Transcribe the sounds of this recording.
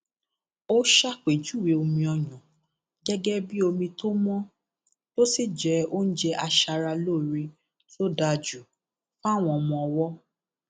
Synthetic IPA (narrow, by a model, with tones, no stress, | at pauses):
o˦ʃa˦k͡pe˨d͡ʒu˨˦we˨o˧mĩ˧ɔ˧jɔ̃˨ | ɡɛ˦ɡɛ˦bi˦o˧mĩ˧to˦mɔ̃˦ | lo˦si˦d͡ʒɛ˨˦o˦n̩˦d͡ʒɛ˦ʔa˧ʃa˧ɾa˧loː˦˨ɾe˧ | so˦da˧˨d͡ʒu˨ | fa˦˨w̃ɔ̃˧mɔ̃˧ɔ˧wɔ˦